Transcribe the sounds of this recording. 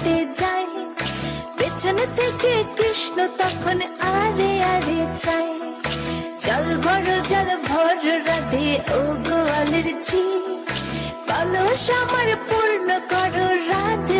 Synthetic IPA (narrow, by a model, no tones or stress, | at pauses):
t̪ed͡zaj | bet͡ʃʰʌnt̪ekekɾisnot̪ʌpʰunaɾeaɾet͡saj | d͡ʒʌlbʱʌɾod͡ʒʌlbʱɔɾoɾad̪ʱeoɡoaleɾt͡sʰi | kʌlosamʌɾpuɾnʌkɔɾoɾad̪